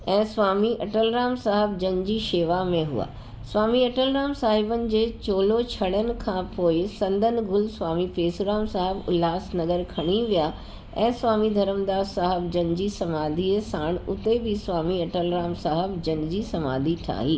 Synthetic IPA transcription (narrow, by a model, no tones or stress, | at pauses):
ɛ̃ːsʋaːmiʔɐʈəlɾaːmsaːɦɪbd͡ʑɐnd͡ʑiːʃeːʋamẽɦʊ̰a̰ː | sʋaːmiɐʈəlɾaːmsaːɦɪbənɪ̆d͡ʑeːt͡ɕoːlot͡ɕʰɐɽənɪ̆kʰãpoːɪsɐ̃nd̪ʱənɪ̆ɡʊlsʋaːmifeːsɾaːmsaːɦɪbʊlaːsnɐɡəɾkʰɐɽ̃iʋija | ɛ̃ːsʋaːmid̪ʱɐɾəmd̪aːsaːɦɪbd͡ʑɐnd͡ʑisɐmaːd̪ʱisaːɽ̃ʊt̪ebʱɪsʋaːmiɐʈəlɾaːmsaːɦɪbd͡ʑɐnd͡ʑiːsɐma̰ːd̪ʱiʈʰa̰ːɦiː